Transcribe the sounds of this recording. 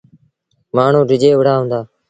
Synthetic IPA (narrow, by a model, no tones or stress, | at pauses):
maːɳ̤ũːɖɪd͡ʒeːʋɽ̤aːɦũːnd̪aː